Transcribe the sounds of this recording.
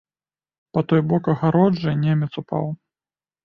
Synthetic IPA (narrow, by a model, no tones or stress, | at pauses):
pɐt̪ɔjbɔkɐɣaɾɔd͡ʐɨnʲɛmʲɐt̪supa̰w